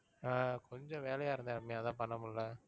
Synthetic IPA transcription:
aːkʰɔɲd͡ʒɔ̃ʋeːlɐjaːɪɾɯnd̪aɾmːeaːðãːpɐɳːɐmɐllɐ

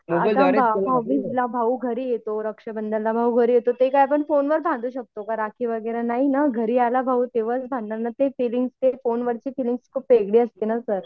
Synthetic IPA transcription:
at̪ãbʱabʱawʋilabʱauɡʱəɾijet̪oɾəkʂəbənd̪əllabʱauɡʱəɾiːjet̪ot̪ekajpəɳfonʋəɾbʱãnd̪ʱuːɕək̚t̪okaɾakiʋəɡəɾanaɦinaɡʱəɾiːalabʱaut̪eʋət͡sbʱãnːanat̪efiliŋɡst̪efonʋəɾt͡ɕiːfiliŋɡskʰuːpʋeɡɽiːəst̪enasəɾ

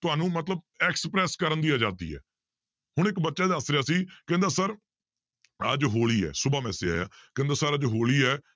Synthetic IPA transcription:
t̪ʊaːnũːmət̪ləb̚ | ɛːksəpɾɛːskəɾənd̪iːaːd͡ʒaːt̪ḭːɛ̰ː | hʊɳ̃ɪkbətːʃaːd̪asɾeaːsiːkɛ̃ːnd̪aːsəɾ | əd͡ʒɦoːɭiːɛ̰ːsʊbaːmɛːseːa̰ːja̰ːkɛ̃ːnd̪aːsəɾəd͡ʒɦoːɭiːɛː

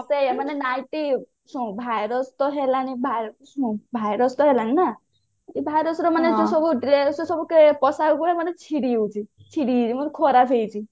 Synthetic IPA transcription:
seemanenajʈi | sũbʱajɾɔst̪ɔɦelanibʱajsũbʱajɾɔst̪ɔɦelanina | t̪ibʱajɾɔsɾɔmaned͡zũsɔbuɖɾessɔbukepɔsaukuɾemʌnet͡sʰiɽiewt͡sʰi | t͡sʰiɽiimɔnekʰoɾapʰejt͡sʰi

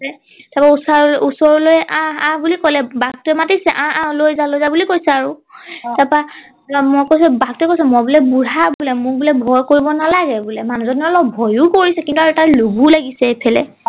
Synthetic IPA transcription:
ɛ | tapausaɹusɔɹɔlojɛʔããbulikɔlɛbaɡ̚tʊɛmatisɛʔããlojzalojzabulikojsɛaɹutapa | mɔjkojs̬ɛbaɡ̚tuɛkojsɛmɔbulɛbuɹabulɛmʊkbulɛbʱɔjkoɹibɔnalaɡɛbulɛmanũzɔniɔlɔbʱɔjukoɹisɛkintuaɹutaɹluɡulaɡisɛepʰɛlɛ̰

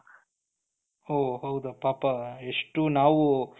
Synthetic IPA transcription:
oːɦɐwd̪upaːpɐeʂʈunaːʋu

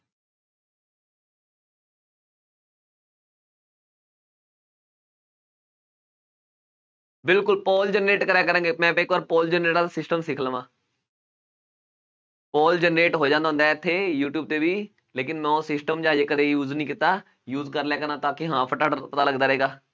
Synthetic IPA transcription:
bɪlkʊlpɔːld͡ʒənɾeːʈkəɾɛːkəɾə̃ːɡeːmɛ̃ːpekʋaːɾpɔːld͡ʒənɾeːʈaːd̪asɪsʈəmsɪkʰləʋãː | pɔːld͡ʒənɾeːʈɦoːd͡ʒãːnd̪aɦʊ̃nd̪aɛːɪt̪ʰːeːjuːʈjuːb̚t̪eːbiː | leːkɪnmɛ̃ːoːsɪsʈəmd͡ʒaːd͡ʒeːkəd̪eːjuːzniːkɪt̪aː | juːzkəɾlɛːkəɾnãːt̪ãːkiɦãːpʰəʈaːɖpət̪aːləɡd̪aːɾəɦeːɡaː

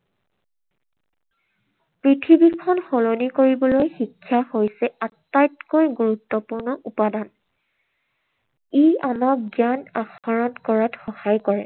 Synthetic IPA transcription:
pɹitʰibikʰɔnxɔlonikoɹibɔlojxikʰːjahojsɛatːajtkoɹɡuɹutːɔpuɹnɔʔupadan | ejamak̚ɡjanaxɔɹɔnkɔɹatxɔhajkɔɹɛ

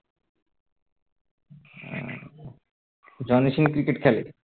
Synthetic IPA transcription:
d͡ʑɔniʃinkɾikeʈkʰɛlḛ

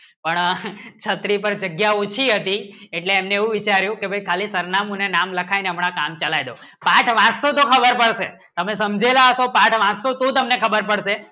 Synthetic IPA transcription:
pəɳt͡ʃʰət̪ɾipəɾd͡ʒəɡjaut͡ʃʰiɦət̪ieʈleːmneeʋũʋit͡ʃaɾjũkebʱəjkʰalisəɾnamũnenamləkʰajneəmɳakamt͡ʃəlajd̪o | pãʈʰʋãt͡ʃsot̪okʰəbəɾpəɽʃe | t̪əmes̬əmd͡ʒelaəʃopãʈʰʋãt͡ʃsot̪õt̪əmnekʰəbəɾpəɽʃe

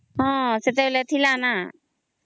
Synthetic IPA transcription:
ɦɔ̃set̪̬elet̪ʰilana

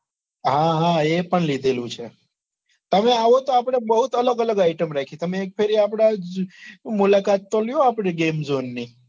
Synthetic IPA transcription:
ɦãɦãepəɳlid̪ʱelũt͡ʃʰe | t̪əmeaʋot̪oapəɽ̃ebəɦut̪ələɡələɡaɪʈəmɾakʰit̪əmẽːk̚pʰeɾiapɽ̃a | mulakat̪ːoljoapɽ̃eɡemzonːi

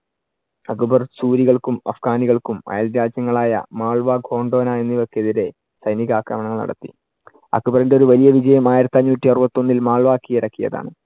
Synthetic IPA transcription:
ɐkːubɐrsuːɾiɣɐɭkumɐ̰fɡaːniɣɐɭkumɐ̰jɐlɾaːd͡ʑjɐŋːɐɭaːjɐ̰maːɭʋaːɡɡʱo̞ːɳɖo̞ːnaːenːiʋo̞kːeeðiɾe̞ | sɐjniɣɐaːkɾɐmɐɳɐŋːɐɭnɐ̰ɽɐ̰t̪ːḭ | ɐ̰kubɐrindeoɾuʋɐlijɐʋid͡ʑɐjɐmaːjiɾɐt̪ːaɲːuːtːiɐrbɐt̪ːo̞nːilmaːɭʋaːkːijiɾɐkːijɐ̰ða̰ːɳɨ

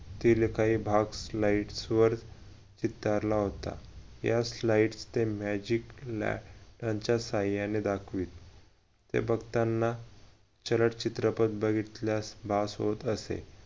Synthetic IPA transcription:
t̪ilekaɦiːbʱaɡslaiʈsʋəɾ | t͡ɕit̪ːaɾlaɦot̪a̰jaslaiʈst̪emæd͡ʑikla̰ʈãɲt͡ɕasajaned̪akʰʋiːt̪̚ː | ḛbʱəɡt̪anːa | t͡ɕələʈt͡ɕit̪ɾəpət̪̚bəɡit̪ljasbʱasɦot̪əsḛ

